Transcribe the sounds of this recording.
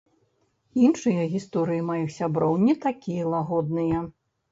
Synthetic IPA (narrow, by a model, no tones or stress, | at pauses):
inʂɨjɐɣʲist̪ɔɾɨjimajixsʲabɾɔwnʲɛt̪akʲijɐlˠaɣɔd̪̚nɨjɐ